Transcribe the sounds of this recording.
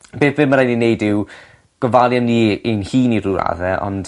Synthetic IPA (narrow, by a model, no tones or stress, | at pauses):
b̥eːθvɪməɾajninejdɪw | ɡ̥ɔvalˠjanːienhiːniɾuɾa̰ðɛɔ̰nd̥